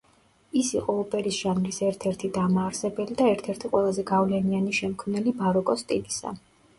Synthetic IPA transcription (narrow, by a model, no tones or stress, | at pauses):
isiqʼɔɔpʼɛɾisʒ̥anlisɛɾt̪ʰɛɾt̪ʰid̪amaːɾsɛbɛlid̪aɛɾt̪ʰɛɾt̪ʰiqʼwɛlˠazɛɡavlɛnianiʃɛmkʰmnɛlibaɾɔkʼɔst̪ʼilisa̰